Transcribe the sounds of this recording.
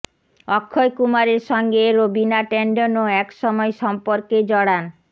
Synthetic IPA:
ɔkʰːojkumaɾeɾʃɔŋɡeɾobinaʈeɳɖonoɛkʃɔmɔeʃɔmpoɾked͡ʑɔɽan

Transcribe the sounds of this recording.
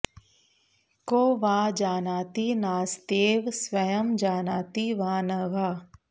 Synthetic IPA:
koːʋaːd͡ʒaːnaːt̪inaːst̪eːʋsʋɐjəmd͡ʒaːnaːt̪iʋaːnɐʋaː

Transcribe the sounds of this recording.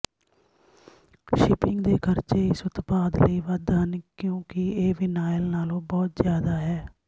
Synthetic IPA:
ʃɪpɪŋɡd̪eːkʰəɾt͡ʃeːɪsʊt̪paːd̪ləiːʋəd̪ɦənkjõːkɪeːʋiːnaːjəlnaːlõːbɔːt̪zjaːd̪aːɦɛː

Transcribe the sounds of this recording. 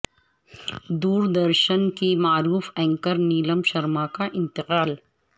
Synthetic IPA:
d̪uːɾd̪ɐɾʃənkimaːɾuːfɛ̃ːŋkəɾniːləmʃɐɾmakaʔɪ̃nt̪ɪqaːl

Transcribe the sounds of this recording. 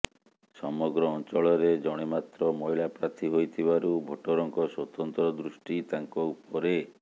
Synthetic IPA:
sɔmɔɡɾɔːnt͡ʃɔɭɔɾed͡ʒɔɽ̃emat̪ɾɔmɔɦilapɾat̪ʰiɦojt̪ʰibaɾubʱoʈoɾɔŋkɔswɔt̪ɔnt̪ɾɔd̪ɾusʈit̪aŋkɔupɔɾe

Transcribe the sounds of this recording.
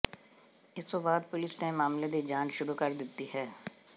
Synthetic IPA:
ɪsːobaːd̪̚pʊlɪsnemaːmled̪id͡ʒaːnʃʊɾukɐɾd̪ɪt̪ːiɦɛː

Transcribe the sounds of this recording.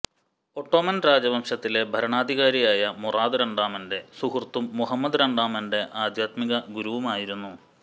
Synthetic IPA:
o̞ːʈːo̞ːmɐnɾaːd͡ʑɐbɐmʂɐt̪ːile̞bʱɐɾɐɳaːd̪ʱiɣaːɾijaːjɐmuraːd̪ɨɾɐɳɖaːmɐnde̞suhurt̪ːumːuɦɐmːɐd̪ɾɐɳɖaːmɐnɖe̞ʔaːd̪ʱjaːt̪miɣɐɡuɾuʋumaːjiɾunːu

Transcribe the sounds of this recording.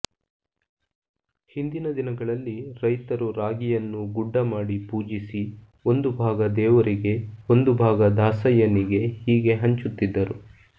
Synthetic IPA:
hind̪inɐd̪inɐɡɐɭɐlːiɾɐjt̪ɐɾuɾaːɡijɐnːuɡuɖːɐmaːɽipuːd͡ʒisi | o̞nd̪ubʱaːɡɐd̪ɛːʋɐɾiɡe̞o̞nd̪ubʱaːɡɐd̪ʱaːsɐjɐniɡe̞hiːɡe̞ɦɐɲt͡ʃut̪ːid̪ːɐɾu

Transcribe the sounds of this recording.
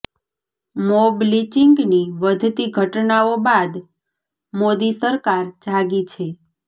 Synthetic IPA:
moblit͡ʃiŋɡniʋəd̪ʱt̪iɡʱəʈnaobad̪ | mod̪isəɾkaɾd͡ʒʱaɡit͡ʃʰe

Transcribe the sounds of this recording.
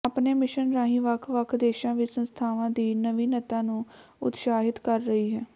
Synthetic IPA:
apneːmɪʃənɾaːɦĩːʋəkʰʋəkʰd̪eːʃãːʋɪsə̃nst̪ʰaːʋãːd̪iːnəʋiːnət̪ãːnũːʊ̰t̪ʃaːɦɪt̪kəɾːəɦiːɦɛː

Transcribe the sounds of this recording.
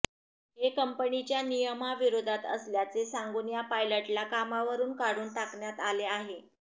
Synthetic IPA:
ɦekəmpənit͡ɕjanijəmaʋiɾod̪ʱat̪ə̰sljat͡sesaŋɡunjapajləʈlakamaʋəɾuːnkaɽuːnt̪akɳjat̪aleaɦe

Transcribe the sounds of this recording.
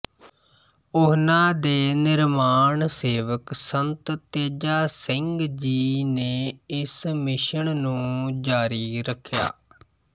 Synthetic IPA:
ʊɦnãːd̪eːnɪɾmaːɳseːʋəksənt̪t̪eːd͡ʒaːsɪŋɡd͡ʒiːneːɪsmɪʃəɳnũːd͡ʒaːɾiːɾəkʰːja̰ː

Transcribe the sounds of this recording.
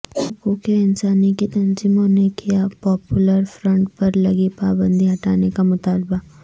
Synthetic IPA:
ɐkukeɪnsaːnikit̪ɐnziːmõnekijapɔːpjʊləɾfɾə̃ɳʈpɐɾlɐɡipaːbə̃nd̪ʱiɦɐʈaːnekamʊt̪aːlba

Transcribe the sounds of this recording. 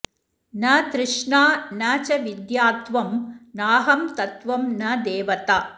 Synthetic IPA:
nɐt̪ɾɪʂɳaːnɐt͡ʃɐʋid̪jaːt̪ʋɐmnaːɦɐmt̪ɐt̪ʋɐmnɐd̪eːʋɐt̪aː

